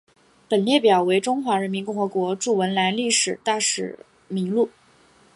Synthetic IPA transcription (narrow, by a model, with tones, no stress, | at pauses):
pə˨˩nljɛ˥˩pjɑ˨˩ʊwe˧˥ɪʈ͡ʂʊ˥ŋxwa˧˥ɻə˧˥nmi˧˥nkʊ˥˩ŋxɤ˧˥kwɔ˧˥ʈ͡ʂu˥˩wə˧˥nla˧˥nli˥˩ʂɻ̩˨˩t̪a˥˩ʂɻ̩˨˩ | mi˧˥ŋlu˥˩